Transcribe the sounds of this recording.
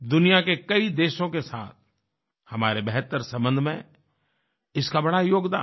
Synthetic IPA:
d̪ʊnijakekɐid̪eːʃõkesa̰ːt̪̚ʰ | hɐmaːɾebɛɦt̪əɾsɐ̃mbə̃nd̪ʱmḛ̃ | ɪskabɐɽajoːɡd̪a̰ː

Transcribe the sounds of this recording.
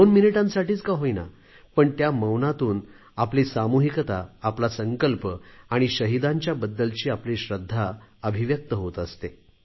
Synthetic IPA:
onminiʈãnsaʈiːt͡skaɦoina̰ | pəɳt̪jaməwnat̪uːn | apliːsamuɦikt̪aːplasəŋkəlpəaɽ̃iɕəɦid̪aɲt͡ɕjabəd̪ːəlt͡ɕiːapliːɕɾəd̪ʱːaəbʱiʋjək̚t̪əɦot̪əst̪e

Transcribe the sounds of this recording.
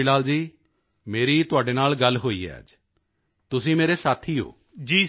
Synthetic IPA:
ɪlaːld͡ʒiː | meːɾiːt̪ʊaːɖeːnaːlɡəlɦoːḭːɛ̰a̰ːd͡ʒ | t̪ʊsĩːmeːɾesaːt̪ʰiːɦo̰ː | d͡ʒiː

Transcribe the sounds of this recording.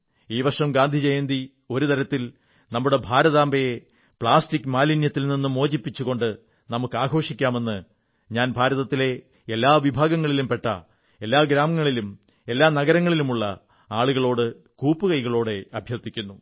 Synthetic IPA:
iːʋɐʂɐmɡaːnd̪ʱid͡ʑejend̪i | o̞ɾut̪ɐɾɐt̪ːil | nɐmːuɽe̞bʱaːɾɐðaːmbɐje | pɭaːstikːɨmaːlinjɐt̪ːilninːɨmo̞ːd͡ʑipːit͡ɕːuɣo̞ɳɖɨ | nɐmukːaːɡo̞ːʂikʲːaːme̞nːɨ | ɲaːnbʱaːɾɐðɐt̪ːile̞ | elːaːʋibʱaːɡɐŋːɐɭilumpe̞ʈːɐ̰ | e̞lːaːɡɾaːmɐŋːɐɭilum | e̞lːaːnɐɡɐɾɐŋːɐɭilumuɭːɐ̰ | aːɭuɣɐɭo̞ːɽɨ | kuːpːɨkɐjɣɐɭo̞ːɽe̞ɐbʱjɐrt̪ikʲːunːu

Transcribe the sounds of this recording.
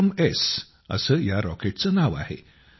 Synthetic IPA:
mes | ə̰səːjaɾɔkeʈ̚t͡sənaʋa̰hḛ

